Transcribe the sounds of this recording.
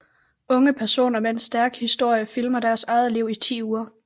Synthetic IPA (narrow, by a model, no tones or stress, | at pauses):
ɔ̽ŋəpʰæɐso̝̰ːnɐmeensd̥æɐɡ̥hisd̥o̝ɐ̰jəfilmɐd̥æɐsɑ̈ɪð̞ˠliʊit͡sʰḭːuːɐ